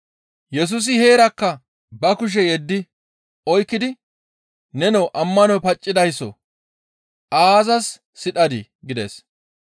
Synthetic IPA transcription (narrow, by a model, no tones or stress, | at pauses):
jɛs̬ʊs̬ɪhe̞ːɾɐkːɐ | bɐkʊʃ̬ɛjɛd̪ːɪ | ɔjkːɪd̪ɪ | nɛnɔwʔɐmːɐnɔwpɐt͡ʃʼːɪd̪ɐjsːɔ̰ | ʔaːzɐsː | ɪᶑɐd̪ɪ | ɡɪd̪ḛs